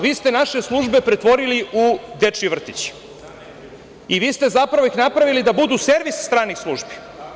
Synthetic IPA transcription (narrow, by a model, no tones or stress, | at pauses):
ʋiːst̪e̞naʃe̞slˠuʒbe̞pɾet̪ʋo̞ɾiliʔud̪et͡ʂiʋr̩t̪it͡ɕi̥ | iʋiːst̪e̞zapɾaʋoixnapɾaʋilid̪abud̪use̞ɾʋisst̪ɾaːnixslˠuʒbi̥